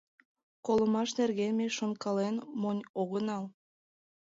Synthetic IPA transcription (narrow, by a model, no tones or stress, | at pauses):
koləmɑʃnerɣenmeʃonkɑlenmonʲoɣənɑl